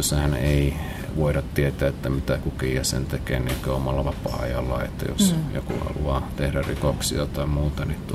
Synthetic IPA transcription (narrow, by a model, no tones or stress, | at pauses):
sːæhæneˑi | ʋoˑiɾɑt̪t̪iet̪ˑæet̪ːæmit̪ækukijɑsḛnt̪ekḛːniekøomɑlːɑʋɑpɑ̰ɑ̰jɑlːɑ̰ḛt̪ːæ̰jo̰sjo̰kṵhɑ̰lṵɑt̪ehdærrikoksḭɑt̪ɑˑemmuːt̪ɑnit̪u